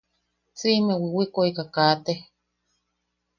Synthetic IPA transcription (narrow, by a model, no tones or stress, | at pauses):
t͡simewiwikoikakaːt̪e